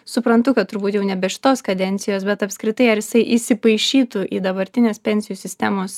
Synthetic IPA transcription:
sʊpɾɐnt̪ʊkɐt̪t̪ʊɾbuːt̪jɛʊnʲɛbʲɛʃʲɪ̥t̪oːskɐd̪ʲɛnʲt̪sʲɪjoːsbʲɛt̪ɐpʲskɾʲɪt̪ɐɪɐɾjɪsɐɪʔisʲɪpɐɪʃʲiːt̪ʊʔiːd̪ɐbɐɾʲt̪ʲɪnʲeːspʲɛnʲsʲɪjuːsʲɪsʲt̪ʲɛmoːs

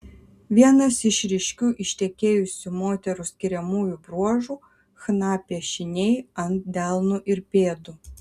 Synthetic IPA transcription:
ʋʲiɛnɐsɪʃɾʲɪʃʲkʲuːʔɪʃʲt̪ʲɛkʲeːjʊsʲumoːt̪ʲɛɾusʲkʲɪɾʲɛmuːjubɾuɔʒuː | xnɑːpʲiɛʃʲɪnʲɛɪɐnt̪̚d̪ʲælˠnuːʔɪɾpʲeːd̪uː

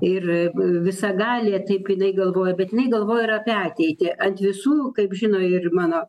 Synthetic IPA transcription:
ɪrʋʲɪsɐɡɑːlʲeːt̪ɐɪpjɪnɐɪɡɐlˠʋoːjɛbʲɛt̪jɪnɐɪɡɐlˠʋoːjɛɪɾɐpʲɛɑːt̪ʲɛɪt̪ʲeʔɐnt̪ʋʲɪsuːkɐɪpʒʲɪnoːɪrmɑːnoː

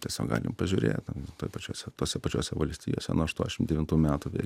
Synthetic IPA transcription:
tʲiɛsʲo̰ːkɡɑ̰ːlʲɪ̰mpɐʒʲʊɾʲḛːtt̪ɐt̪oːjpɐt͡ʃʲoːsʲɛt̪oːsʲɛpɐt͡ʃʲoːsʲɛʋɐlʲsʲt̪ʲiːjoːsʲɛ̰nuɔɐʃt̪uɔnʲɛʃɪmd̪ʲɛʋʲɪnt̪uːmʲæːt̪uʋʲḛ

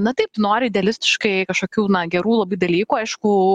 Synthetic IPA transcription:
nɐt̪ɐɪpnoːɾʲɪɪdʲɛɐlʲɪsʲt̪ʲɪʃkɐɪkɐʃkoːkʲuːnɐɡʲɛɾuːlˠɐbɐɪd̪ɐlʲiːkuːɐɪʃkʊ

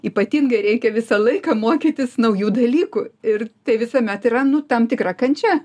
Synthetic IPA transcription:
iːpɐt̪ʲiŋɡɐɪɾʲɛɪkʲɛʋʲɪsɐlˠɐɪkɐmoːkʲiːt̪ʲɪsnɐʊjuːd̪ɐlʲiːkʊɪrt̪ɐɪʋʲɪsɐmʲɛt̪irɐnʊt̪ɐmt̪ʲɪkrɐkɐnʲt͡ʃʲɛ

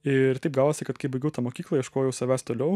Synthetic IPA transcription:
ɪɾt̪ɛɪpɡɑːʋoːsʲɪkɐt̪kɐɪbɐɪɡʲɛʊt̪ɐmoːkʲiːklˠɐiʃkoːjɛʊsɐʋʲæːst̪oːlʲɛʊ

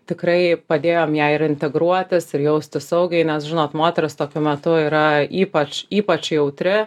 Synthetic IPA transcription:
t̪ʲɪkrɐɪpɐd̪ʲeːjoːmjæɪɪɾɪnʲt̪ʲɛɡɾuɔt̪ʲɪsɪɾjɛʊsʲt̪ʲɪsɐʊɡʲɛɪnʲɛsʒʲɪnoːt̪moːt̪ʲɛɾɪst̪oːkʲʊmʲɛt̪ʊiːɾɐiːpɐt͡ʃiːpɐt͡ʃjɛʊt̪ʲɾʲɪ

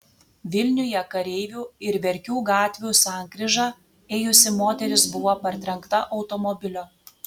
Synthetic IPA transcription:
ʋʲɪlʲnʲʊjɛkɐɾʲɛɪʋʲuːɪɾʋʲɛɾʲkʲuːɡɑːt̪ʲʋʲuːsɑːˑŋkɾʲɪʒɑː | eːjʊsʲɪmoːt̪ʲɛɾʲɪsbʊʋoːpɐɾʲt̪ʲɾʲɛŋˑkt̪ɐʔɒʊt̪ɔmɔbʲɪlʲoː

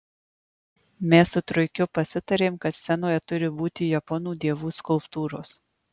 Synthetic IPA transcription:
mʲɛːsʊt̪ɾʊɪkʲʊpɐsʲɪt̪ɐɾʲeːmkɐt̪sʲɛnoːjɛt̪ʊɾʲɪbuːt̪ʲiːjɐpɔnuːd̪ʲeɛʋuːskʊlˠpt̪uːɾoːs

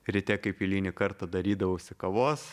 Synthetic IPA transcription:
ɾʲɪt̪ʲɛkɐɪpʲilʲiːnʲɪkɐɾt̪ɐd̪ɐɾʲiːd̪ɐʋɐʊsʲɪkɐʋoːs

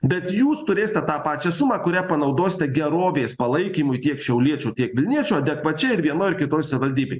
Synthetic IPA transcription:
bʲɛt̪juːst̪ʊɾʲeːsʲɪt̪ʲɛt̪ɑːpɑːt͡ʃʲɛsʊmɑːkʊɾʲæːpɐnɐʊd̪oːsʲɪt̪ʲɛɡʲɛɾoːʋʲeːspɐlˠɐɪkʲiːmʊjt̪ʲiɛkʃʲɛʊlʲiɛt͡ʃʲuːt̪ʲiɛkʋʲɪlʲnʲiɛt͡ʃʲuːɐd̪ʲɛkʋɐt͡ʃʲɛɪɾʋʲiɛnoːjɪɾkʲɪt̪oːjsɐʋʲɪʋɐlʲd̪ʲiːbʲḛː

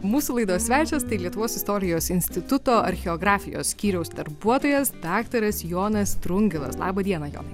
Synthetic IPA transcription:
muːsʊlˠɐɪd̪oːsʲʋʲæːt͡ʃʲɛst̪ɐɪlʲiɛt̪ʊʋoːsɪst̪oːɾʲɪjoːsɪnʲsʲt̪ʲɪt̪ʊt̪oːʔɐ̰ɾʲxʲɛɔːɡɾɑːfʲɪjo̰sʲsʲkʲiːɾʲɛʊsd̪ɐɾbuɔt̪oːjɛsd̪ɑːkt̪ɐɾɐsjoːnɐst̪ɾʊŋʲɡʲɪlˠɐ̰slˠɑ̰ːbɐd̪ʲiɛnɐjo̰ː

